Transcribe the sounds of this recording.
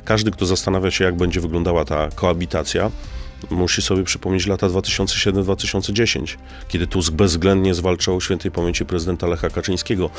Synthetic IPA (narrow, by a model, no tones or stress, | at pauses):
kaʐd̪ɘk̚t̪ɔzast̪anavʲjaɕɛjaɡ̚bɛɲd͡ʑɛvɘɡlɔnd̪awat̪akɔabʲit̪at̪sʲjamuɕisɔbʲjɛpʂɘ̥pɔmɲet͡ɕlat̪ad̪vat̪ɘ̥ɕɔnt̪sɛɕɛd̪ɛmd̪vat̪ɘɕɔnt̪sɛd͡ʑeɕḛɲt͡ɕ | kʲɛd̪ɘt̪uzbɛzːɡlɛnd̪ɲɛzvalt͡ʂaɔɕʲfʲɛnt̪ɛjpamʲjeɲt͡ɕipɾɛzɘd̪ɛnt̪alɛxakat͡ʂɘj̃skʲɛɡɔ